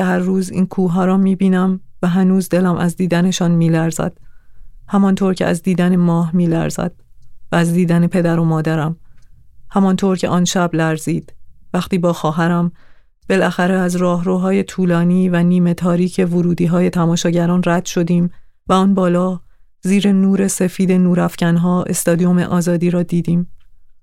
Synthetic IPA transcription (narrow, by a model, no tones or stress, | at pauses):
ehæɾːuːzḭːnkʰuːɦɒːɾɒmiːbiːnæmvæɦænuːzd̪elæmʔæzd̪iːd̪æne̞ʃɒːnmiːlæɾzæ̰d̪̥hæmɒnt̪ʰoːɾcʰeæ̰zd̪iːd̪ænemɒːɦmiːlæ̰ɾzæ̰d̪̥̚væːzd̪iːd̪ænepʰe̞d̪æɾo̞mɒːd̪æɾæm | hæmɒnt̪ʰoːɾcʰe̞̰ʔɒːnʃæblæɾziːd̪̥væxt̪iːbɒːxɒːɦæɾæm | b̥e̞lʔæxæɾeæzɾɒːɦɾoːɦɒːje̞t̪ʰuːlɒːniːvæniːme̞t̪ʰɒːɾiːcʰe̞voɾuːd̪iːɦɒːje̞t̪ʰæmɒːʃɒːɟæɾɒːnræd̪̥ʃo̞d̪iːm | væɔːnbɒːlɒː | ziːɾe̞nuːɾe̞se̞fiːd̪e̞nuːɾæfcænɦɒːe̞̰st̪ɒːd̪ijo̞mḛʔɒːzɒːd̪iːɾɒːd̪iːd̪iːm